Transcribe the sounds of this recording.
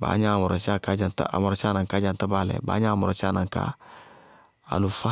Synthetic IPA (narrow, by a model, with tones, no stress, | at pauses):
ba̰ː˨˦ɲã˦˨mɔ˨ɾɔ˨si˦a˦ka˦d͡ʒa˨nta̰˨a̰˨mɔ˨ɾɔ˨si˦a˦nã˨ŋka˦d͡ʒã˨nta˦ba˦lɛ̰˨ba̰ː˨˦ɲã˦˨mɔ˨ɾɔ˨si˦a˦nã˨ŋka̰˨ | a̰˨nu˨fa˦